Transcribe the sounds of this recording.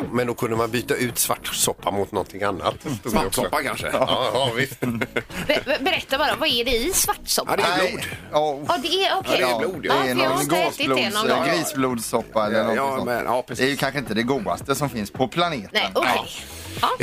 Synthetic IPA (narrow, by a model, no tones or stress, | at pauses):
mɛnd̪ɔkʰɵnd̪əmanbyːt̪aʉ̟ːt̪sva̰ʈːsɔpːamʊt̪nɔnt̪ʰɪŋanːa̰t̪ːt̪uɡsɔpːakʰa̰nʂə̰ɑːvɪst̪ | bɛɾɛt̪ːabɑːɾavɑæɖɛɪsvaʈːsɔd̪ɛɛɑːd̪ɛæɔkʰɛuːd̪ɛɛnɔnɡoːsɪluːd̪nɡɾiːsbluːd̪sɔpːaɛlːənɔ̰ː | ɾd̪ɛæɾjɵkʰanɧəɪnt̪əd̪ɛɡuːa̰st̪əsɔmfɪnspʰɔpʰlaneːt̪ənokʰː